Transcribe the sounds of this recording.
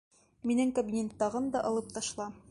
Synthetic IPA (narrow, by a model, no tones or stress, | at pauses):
minɘŋkɐbʲinʲent̪ːɑʁɤnd̪ɒʔɒlˠɤp̚t̪ɒʃlˠɑ